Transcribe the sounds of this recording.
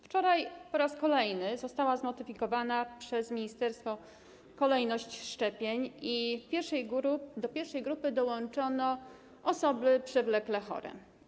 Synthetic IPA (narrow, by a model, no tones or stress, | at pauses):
ft͡ʂɔɾajpɔɾaskɔlɛjnɘzɔst̪awazmɔt̪ɘfʲikɔvanapʂɛzmʲiɲist̪ɛɾst̪fɔ | kɔlɛjnɔɕt͡ɕʂt͡ʂɛpʲjeɲifpʲjɛɾʂɛjɡd̪ɔpʲjɛɾfʂɛjɡɾupɘd̪ɔwɔnt͡ʂɔnɔ | ɔsɔbɘpʂɛvlɛklɛxɔ̰ɾɛ̰